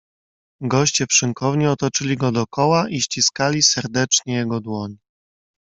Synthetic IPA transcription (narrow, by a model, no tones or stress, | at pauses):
ɡɔɕt͡ɕɛpʂɘŋkʰɔvɲiɔt̪ɔt͡ʂɘlʲiɡɔd̪ɔkɔwaʔiɕt͡ɕiskalʲisɛɾd̪ɛt͡ʂɲɛjɛɡɔd̪wɔɲ